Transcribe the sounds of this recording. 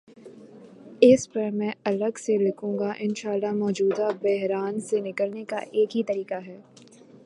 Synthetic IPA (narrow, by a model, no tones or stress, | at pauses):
ɪspɐɾmɛ̃ɐləɡselɪkʰũːŋɡaʔɪnʃaːlːaɦmɔːd͡ʒuːd̪abɛɦɾaːnsenɪkəlneka̰ʔeːkɦit̪ɐɾiːkaɦɛː